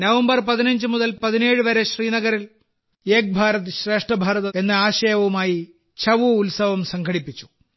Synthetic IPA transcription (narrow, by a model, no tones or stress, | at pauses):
nɐʋɐmbɐrpɐðinɐɲd͡ʑɨmuðɐlpɐðine̞ːɻɨʋɐɾe̞ɕriːnɐɣɐɾil | eːk̚bʱaːɾɐt̪ɨɕre̞ːʂʈrɐbʱaːɾɐðɐe̞nːɨaːɕɐjɐʋɐʋumaːji | t͡ɕʰɐʋuːlsɐʋɐmsɐŋɡʱɐɽipːit͡ɕːu̥